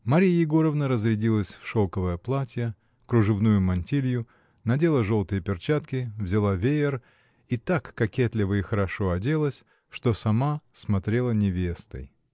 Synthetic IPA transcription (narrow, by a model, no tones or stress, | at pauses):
mɐɾʲijəjɪɡo̞ɾəvnəɾəzɾʲɪdʲilˠəsʲfʂolˠkəvəjəplˠatʲɪjə | kɾʊʐɨvnujʊmɐnʲtʲilʲjʊ | nɐdʲe̞lˠəʐo̞lˠt̪ɨjəpʲɪrt͡ɕat̪kʲɪvzʲɪlˠavʲejɪr | it̪akːɐkʲet̪lʲɪvəɪxəɾɐʂoɐdʲe̞lˠəsʲ | ʂt̪o̞sɐmasmɐt̪ɾʲe̞lˠənʲɪvʲe̞st̪ə̰j